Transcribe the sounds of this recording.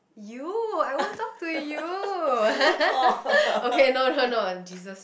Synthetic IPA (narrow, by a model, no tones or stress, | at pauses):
juajontɔk̚tuju | okenoʊnonond͡ʒizəs